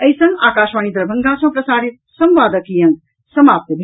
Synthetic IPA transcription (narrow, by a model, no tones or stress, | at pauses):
ɐisɐ̃ŋɡaːkaːʃʋaːnid̪ɾɐbʱɐŋɡʱãːsɐ̃pɾɐsaːɾit̪sɐmʋaːd̪ɐkijɐ̃n | sɐmaːp̚t̪əbʱ